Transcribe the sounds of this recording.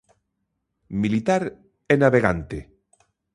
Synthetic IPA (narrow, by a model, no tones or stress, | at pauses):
milit̪aɾ | ɛnaβeɣa̰nt̪e